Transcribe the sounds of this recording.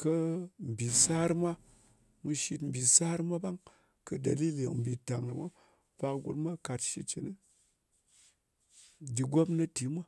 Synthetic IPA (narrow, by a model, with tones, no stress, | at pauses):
kə˦m̩˨bʲi˨sa˦ɾmʷa˦ | mu˧ʃi˧tm̩˨bʲi˨sa˦ɾma˦ba˦ŋ | kə˧da˨li˦li˨m̩˨bʲi˨ta˨ŋna˨mʷa˦ | pa˧kɡṵ˧tma˦ka˧tʃi˧t͡ʃi˨ni˦ | d͡ʒi˧ɡʷo˦mna˦ti˨mʷa˦